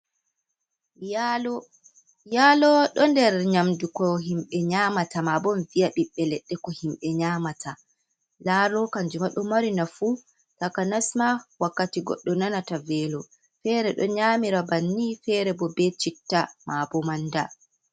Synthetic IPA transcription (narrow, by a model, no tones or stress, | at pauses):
jaːlɔɗɔndɛɾɲamdukɔɦimɓɛɲaːmatamabɔnvijaɗiɓːɛlɛɗːɛkɔhimɓɛɲaːmatʰa | laːlɔkaɲd͡ʒumaɗɔmaɾinafu | takanasmawakːatiɡɔ̰ɗːɔnanatavɛːlɔ | fɛːɾɛɗɔ̰ɲaːmiɾabanːifɛɾɛbɔbɛt͡ʃitːamabɔmanda